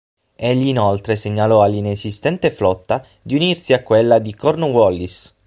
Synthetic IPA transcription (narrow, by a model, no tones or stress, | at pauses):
eʎːiːnolt̪ɾeseɲːalɔalːinezist̪ɛnt̪eflɔt̪ːa | d̪iunirsiakːwelːad̪ikɔrnowɔlːis